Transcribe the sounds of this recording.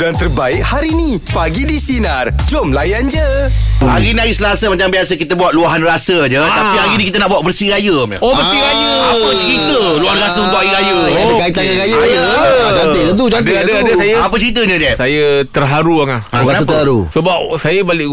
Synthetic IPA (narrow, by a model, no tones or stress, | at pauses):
dant̪ərbaɪkhaɾini | paɡidisinar | d͡ʒomlajand͡ʒəaɣiniaɣisəlasəmat͡ʃaŋmbiasəkit̪əbuat̪̚luaɦanrasəd͡ʒət̪aiaɣinikit̪ənãʔbuaʔ̪̚bərsiɾajəma̰obərsiɾajəapət͡ʃəɾit̪əluaɦanrasəunt̪uʔaɣiɾajədəkait̪ananɾajaəd͡ʒaɪd̪ət̪̬ud͡ʒand̪eadəadəsajaapət͡ʃəɾit̪̬əɲəd͡ʒɛsajət̪ərɦaɾuaŋaasət̪əhaɾṵsəbap̚sajəbalɪʔ